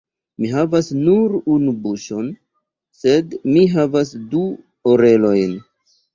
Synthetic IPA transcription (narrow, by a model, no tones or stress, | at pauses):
miɦavasnuɾunubuʃo̞n | se̞dmiɦavasdu | oɾe̞lo̞jn